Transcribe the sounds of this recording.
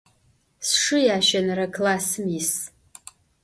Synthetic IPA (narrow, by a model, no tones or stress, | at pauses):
sʂɨjaʃanrakʰlasmis